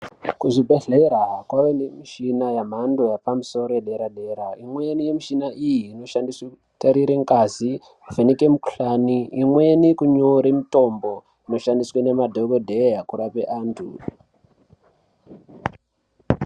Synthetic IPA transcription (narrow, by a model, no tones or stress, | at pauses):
kuʐibʱe̞ɮe̞ɾaɦakwaʋenemiʃinajam̤ando̞japamuso̞ɾoeɗeɾaɗe̞ɾaimwe̞nije̞miʃinaʔijiːno̞ʃandisweku | taɾiɾeŋkazi | uvʱenikemuku̥ɬaniimwe̞nikuɲoɾimito̞mbo̞ | ino̞ʃandiswane̞madʱokodʱejakuɾapeʔaːntʰṵ